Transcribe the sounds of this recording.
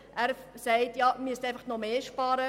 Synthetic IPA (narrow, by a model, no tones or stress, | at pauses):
ʔæːɾsɛɪtjɑːmystɛɪfɑχnɔmeːʃpɑːɾə